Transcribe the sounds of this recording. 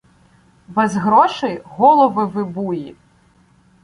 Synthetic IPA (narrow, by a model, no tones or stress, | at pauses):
bɛzɦɾɔʃɪjɦɔlˠɔʋɪʋɪbuji